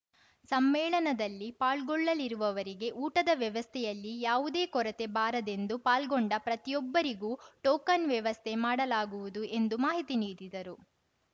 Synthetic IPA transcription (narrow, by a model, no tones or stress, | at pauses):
sɐmːɛːɭɐnɐd̪ɐlːipaːɭɡɔɭːɐliɾuʋɐʋɐɾiɡe̞ʔuːʈɐd̪ɐʋjɐʋɐst̪ʰɛjɐlːijaːʋud̪e̞ːkɔɾɐt̪e̞baːɾɐd̪end̪upaːlɡɔɳɖɐpɾɐt̪ijɔbːɐɾiɡuːʈɔːkɐnʋjɐʋɐst̪ʰe̞maːɽɐlaːɡuʋud̪uʔe̞nd̪umaːɦit̪iniːd̪id̪ɐɾu